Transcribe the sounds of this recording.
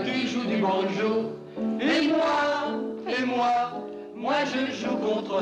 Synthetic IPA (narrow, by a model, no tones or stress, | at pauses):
t̪uleʒud̪ybɔ̃d̪ʒu | emwa | emwa | mwaʒəʒukɔ̃t̪χə